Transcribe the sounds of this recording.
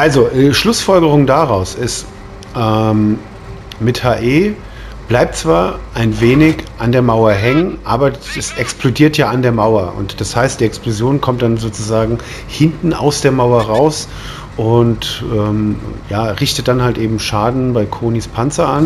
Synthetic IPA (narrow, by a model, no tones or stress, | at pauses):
ʔalzoʔɛːʃlʊsfɔlɡəʁ̞ʊŋdaʁaʊsɪst | ʔɛm | mɪthaːʔeː | b̥laɪp̚t͡sv̥aːɐʔaɪnveːnɪçʔandeːɐmaʊɐɦɛŋənʔaːbɐdɛsʔɛksplodiːɐtjaːandeːɐmaʊɐʔʊ̰ntd̥ashaɪst̚d̥iːɛksplozjoːnkʰɔmtd̥anzoːt͡suzaːɡŋ̩ | hɪntn̩a̰ʊsd̥eːɐmaʊɐʁaʊs | ʔʊntʔɛːmjaːʁɪçtət̚d̥anhaltʔeːbm̩ʃaːdn̩baɪkʰoːniːspʰant͡sɐʔan